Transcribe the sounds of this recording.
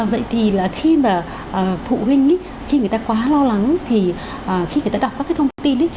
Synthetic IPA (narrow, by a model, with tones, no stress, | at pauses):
və̰˧˨jt̪ʰi˨˩laː˨˩xi˧maː˨˩ | ʔːfṵ˧˨hi˧ŋ̟ə˨˦ | xi˧ŋ˨˩əjt̪aː˧kwaː˨˦lɔ˧la˨˦ŋ˦t̪ʰi˨˩ | ʔəː˨˩xi˧˨˩j̪aː˧ɗa˨˩k͡p̚aː˦˥kːt̪ʰə˧ŋ͡mt̪ʰŋ͡mt̪i˧nʔə˨˦